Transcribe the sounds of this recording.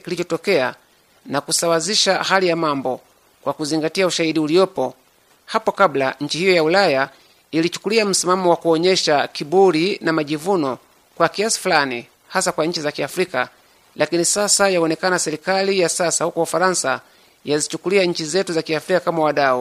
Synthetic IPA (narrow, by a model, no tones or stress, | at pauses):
kilit͡ʃɔtɔkɛa | nakusawaziʃahalijamambɔ | kwakuziŋɡatiauʃahiɗiulijɔpɔ | hapɔkablaɲ̩t͡ʃihijɔjaulaja | ilit͡ʃu̥kuliam̩simamɔwakuɔɲɛʃakiɓuɾinamaʄivunɔ | kwakiasi̥fulani | hasakwaɲ̩t͡ʃizakiafɾika | lakinisasajaɔnɛkanasɛɾikalijasasahukɔufaɾansa | jazit͡ʃukuliaɲ̩t͡ʃizɛtuzakiafɾikakamawaɗau